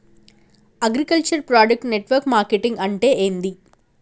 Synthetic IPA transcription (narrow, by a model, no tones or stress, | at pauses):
ɐɡɾikɐlt͡ʃɐɾpɾaːɖɐk̚ʈneʈʋɐɾkmaːɾkeʈiŋɡɐɳʈeːʔeːnd̪i